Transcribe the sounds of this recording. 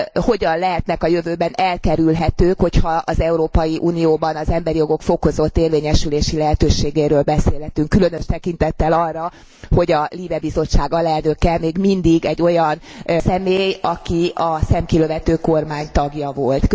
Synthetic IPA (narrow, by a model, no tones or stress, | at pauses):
ho̞ɟɒnlɛɦɛt̪nɛkɒjøvøːbɛnɛlkɛɾylɦɛt̪øːkho̞chɒɒzɛuɾoːpɒjiʔuːnijoːbɒnɒzɛmbɛɾijo̞ɡo̞kfo̞ko̞zo̞t̪ːeːrveːɲɛʃyleːʃilɛɦɛt̪øːʃeːɡeːɾøːlbɛseːlɦɛt̪yŋkːylønø̞ʃt̪ɛkin̪t̪ɛt̪ːɛlɒrːɒ | ho̞ɟɒliːbɛbizo̞t͡ʃːaːɡɒlɛlnøkɛmeːɡmind̪iɡɛɟːo̞jɒnsɛmeːjɒkiɒsɛmkiløvɛt̪øːko̞rmaːɲt̪ɒɡjɒvo̞lt̪